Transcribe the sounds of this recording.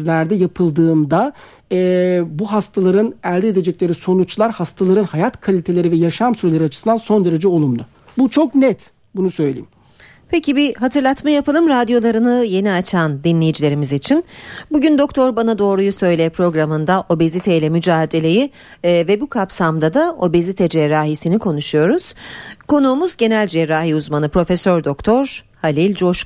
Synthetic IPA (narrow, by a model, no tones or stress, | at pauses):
zlʲæɾd̪ɛjapʰɯlˠd̪ɯːnd̪a | ɛbuɦast̪ʰalˠaɾɯnælʲd̪ɛed̪e̞d͡ʒɛclʲe̞ɾiso̞nut͡ʃlˠaɾhast̪ʰalˠaɾɯnhajat̪kʰalʲit̪ʰe̞lʲe̞ɾivɛjaʃamsyɾelʲeɾiat͡ʃʰɯ̥sɯnd̪anso̞nd̪e̞ɾe̞d͡ʒɛo̞lˠumlˠʊ | but͡ʃʰo̞knɛt̪ | bunusø̞jlʲejim | pʰecʰibiɦat̪ʰɯɾlˠat̪majapɯlˠɯmɾad̪jo̞lˠaɾɯnɯje̞niat͡ʃʰand̪inlʲe̞jid͡ʒilʲe̞ɾimizit͡ʃʰinbuɟynd̪o̞k̚t̪ʰo̞ɾbanad̪o̞ːɾujusø̞jlʲepʰɾo̞ɡɾamɯnd̪aʔo̞bezit̪ʰeilʲɛmyd͡ʒaːɦd̪e̞lʲe̞ji | vɛbukʰapsamd̪ad̪ao̞bezit̪ʰɛd͡ʒɛɾaːɦisinikʰo̞nuʃujo̞ɾuz̥kʰo̞nuːmuzɟe̞nælʲd͡ʒɛɾaːɦiuzmanɯpɾo̞fesøɾd̪o̞kt̪ʰo̞ɾhalʲilʲd͡ʒo̞ʃ